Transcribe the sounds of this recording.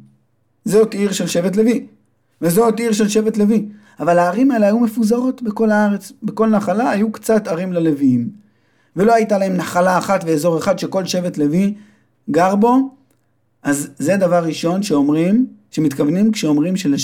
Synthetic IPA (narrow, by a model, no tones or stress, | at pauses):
zotiʁʃe̞lʃe̞vet̬le̞vi | vezotiʁʃe̞lʃe̞ve̞tle̞vi | avalaːʁimaeleajume̞fuzaʁo̞tbeko̞laaʁe̞t͡sbeko̞lnaχalaːjukt͡sataʁimlale̞viim | ve̞lo̞ajtalae̞mnaχalaːχatveezo̞ʁe̞χad̪ʃe̞ko̞lʃe̞vetle̞vi | ɡaʁbo̞ | ʔazːed̪avaʁːiʃo̞nʃeomʁimʃemit̪kavnimkʃeo̞mʁimʃele